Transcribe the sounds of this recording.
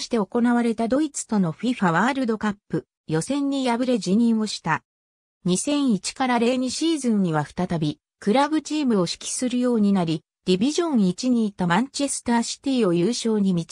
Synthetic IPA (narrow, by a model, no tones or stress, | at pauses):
ɕi̥t̪e̞o̞ko̞naβaɾe̞t̪ad̪o̞it͡sɨ̥t̪o̞no̞ɸiɸaβaːɾɯ̟d̪o̞kapːɯ̟ | jo̞sẽ̞ɲ̟ːijabɯ̟ɾe̞d͡ʑiɲ̟ĩɰ̃o̞ɕi̥t̪a | ɲ̟isẽ̞ɰ̃it͡ɕi̥kaɾaɾe̞ːɲ̟iɕiːzɨ̃ɲ̟ːiβ̞aɸɯ̥t̪at̪abʲi | kɯ̟ɾabɯ̟t͡ɕiːmɯ̟o̞ɕi̥kʲi̥sɨɾɯ̟jo̞ːɲ̟inaɾʲi | d̪̥ʲibʲiʑõ̞ɰ̃it͡ɕiɲ̟iːt̪amãɲt͡ɕe̞sɨ̥t̪aːɕi̥t̪ʲiːo̞jɯːɕo̞ːɲ̟imʲi